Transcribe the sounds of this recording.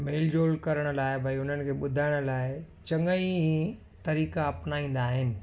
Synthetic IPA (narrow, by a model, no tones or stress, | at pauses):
meːld͡ʑoːlkɐɾəɽ̃ʊ̆laːɪbʱɐiʊn̤ənɪ̆kʰeːɓʊd̪ʱaːɪɽ̃ʊ̆laːɪ | t͡ɕɐ̃ŋəi | t̪ɐɾiːkaːpnaːĩːn̆d̪aːɦɪnɪ̆